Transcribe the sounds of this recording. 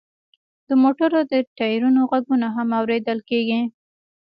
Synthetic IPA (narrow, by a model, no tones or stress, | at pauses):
d̪̥əmoʈaɾod̪əʈajɾunoɣaɡunaɦamawɾed̪əlkeɡi